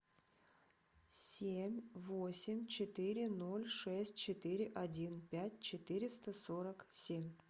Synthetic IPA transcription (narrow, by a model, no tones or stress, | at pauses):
sʲemʲvosʲɪmʲt͡ɕɪt̪ɨɾʲɪno̞lʲʂɛsʲtʲt͡ɕɪt̪ɨɾʲɪʔɐdʲinpʲætʲt͡ɕɪt̪ɨɾʲɪst̪əso̞ɾəksʲemʲ